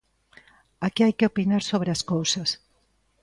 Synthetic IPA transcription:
akiajkeopinaɾsoβɾeaskowsɐs

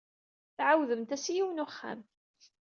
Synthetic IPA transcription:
θʕawðəmt̪æsijiwənʊχːæ̰m

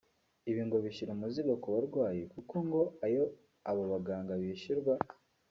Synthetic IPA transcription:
iβiːŋɡoβiʃiɾumuziɡakuβaɾɡwaːjekuko̞ŋɡo̞ajo̞ | aβo̞βaɡaːŋɡaβiːʃiɾɡwa

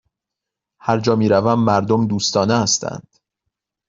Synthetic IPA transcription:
hæɾd͡ʒɒːmiːɾævæmːæɾd̪omd̪uːst̪ɒːneæst̪ʰæ̰nd̪̥

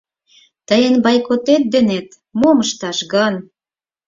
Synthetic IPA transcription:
t̪əjə̆nbɑjkot̪et̪̚d̪ĕnet̪ | moməʃt̪ɑʃɡɑn

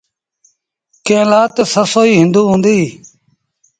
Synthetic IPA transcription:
kẽːlaːt̪səsoːiːɦɪ̃nd̪uːɦũːnd̪iː

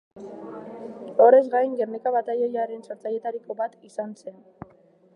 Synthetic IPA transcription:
o̞ɾe̞zɡajŋɡe̞rnekaβat̪ajejaɾe̞nso̞ɾt͡saje̞t̪aɾiko̞βat̪isanse̞n

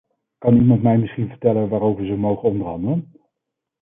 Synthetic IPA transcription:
kɑnimɑntmɛjmɪsχinvəɹtɛlənʋaːɾowvəɹzəwmowχənɔndəɹɦɑndələn

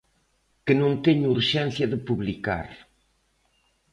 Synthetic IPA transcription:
kɨnõnt̪ɛɲuuɾʒɛ̃nθjɐðɨpuβlika̰ɾ

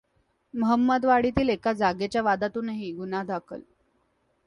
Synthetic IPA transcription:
məɦəmːəd̪ʋaɽit̪iːlekad͡zaɡet͡ɕjaʋad̪at̪uːnəɦiɡunad̪ʱakʰə̰l

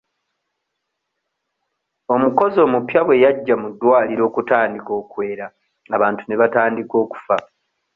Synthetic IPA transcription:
o̞muko̞zo̞ːmupjaβwe̞jaɟːamudːwaːliɾo̞ːkutaːndiko̞ːkwe̞ːɾa | aβaːntune̞βataːndiko̞ːku̥fa

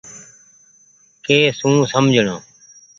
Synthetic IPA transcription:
keːsũːsəmd͡ʒʱɳõ̰ː

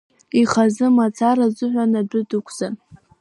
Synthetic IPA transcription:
iχazɨmat͡sʰaɾazʷʊħʷanadʷʊdɨkʷʰz̥an

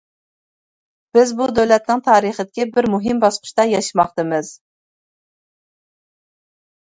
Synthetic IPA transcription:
b̥ɪzbud̪øwlɛt̪̚nɪŋt̪ʰɑːɾiχəd̪ɪkʲibɪɾmuɦimbɑsqʊ̥ʃt̪ɑjɑʃɨmɑχt̪ɨmɨz̥

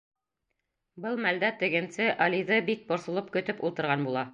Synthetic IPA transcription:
bɤlˠmæld̪æt̪ɘ̆ɡɘ̆nsɘʔɑlʲiðɤbik̚bŏɾsŏlˠɤp̚kɵ̆t̪ɘpulˠt̪ɤ̆ɾʁɑnbulˠɑ

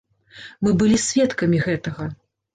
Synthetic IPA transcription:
mɨbɨlʲisʲvʲɛt̪kɐmʲiɣɛt̪ɐɣɐ

